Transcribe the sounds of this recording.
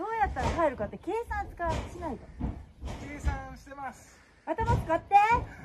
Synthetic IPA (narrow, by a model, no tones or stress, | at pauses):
o̞ːjat̪ːaɾaɦaeɾɯ̟kat̪ːeke̞ːsãnt͡sɨ̥kaɕinait̪akeːsãɕi̥t̪emasɨ̥ | at̪anosɨ̥kat̪ːe